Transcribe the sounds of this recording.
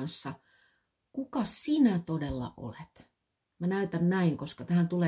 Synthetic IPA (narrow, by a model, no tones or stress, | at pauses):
nsːɑ | kukɑsinæt̪odelːɑ̰ʔo̰let̪ | mænæyt̪ænnæiŋkoskɑt̪æhænt̪uleː